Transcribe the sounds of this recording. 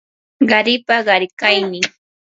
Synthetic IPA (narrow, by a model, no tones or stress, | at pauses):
ɢɑɾɪpaɢɑɾkajnɪ